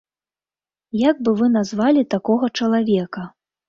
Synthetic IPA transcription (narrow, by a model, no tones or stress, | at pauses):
jaɡ̚bɨvɨnazvalʲit̪akɔɣɐt͡ʂɐlˠavʲɛkɐ